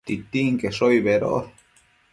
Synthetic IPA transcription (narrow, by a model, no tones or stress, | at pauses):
t̪it̪iŋkeʂoiβeɾo̰ʔ